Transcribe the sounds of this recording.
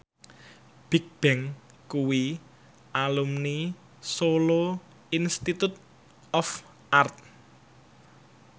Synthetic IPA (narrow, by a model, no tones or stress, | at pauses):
b̥i̤k̚b̥ɛŋ | kuwi | ʔalumni | solo | inst̪it̪ut̪̚ | ɔf | art̪̚